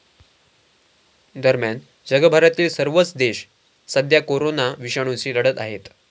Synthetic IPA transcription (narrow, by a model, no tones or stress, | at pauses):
d̪əɾmjan | d͡ʑəɡəbʱaɾət̪iːlsəɾʋət͡sd̪eɕ | səd̪ʱjakoɾonaʋiɕəɽ̃ũt͡ɕiːləɽət̪aɦet̪